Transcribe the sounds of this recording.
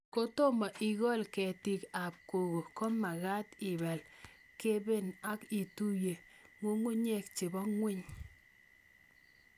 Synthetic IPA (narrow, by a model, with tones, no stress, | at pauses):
ko˦to˦ma˨ʔi˨ɡɔ˦lkɛ˨ti˨ka˨p̚ko˨ɣo˨ko˦ma˨ɣa˦tɪ˨βɛ˨l | ke˦be˦na˦ki˨tu˦je˨ŋo˦ŋu˦ɲe˦˨k̚t͡ʃe˨bɔ˦ŋwɪ˦ɲ